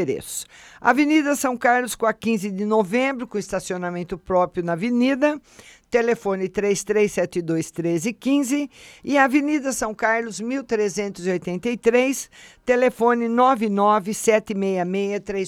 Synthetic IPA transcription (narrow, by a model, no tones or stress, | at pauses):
ɾḛsʊ̥a̰venid̪ɐsɐ̃w̃kaɾlʊskõɐkĩzɪd̪ɪnovẽmbɾʊkõist̪asionamẽnt̪ʊpɾɔpɾijʊnɐvenid̪ɐt̪elefõnɪt̪ɾest̪ɾesːɛt̪ɪd̪ojst̪ɾezɪkĩzɪɪɐvenid̪ɐsɐ̃w̃kaɾlʊzmiwt̪ɾezẽnt̪ʊziojt̪ẽnt̪ɐjt̪ɾejst̪elefõnɪnɔvɪnɔvɪsɛt̪ɪmejɐmejɐt̪ɾej